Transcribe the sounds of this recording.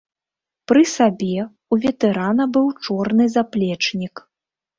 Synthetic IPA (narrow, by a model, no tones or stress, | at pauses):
pɾɨsabʲɛ | uvʲɛt̪ɛɾanɐbɨwt͡ʂɔrnɨzaplʲɛt͡ʂnʲik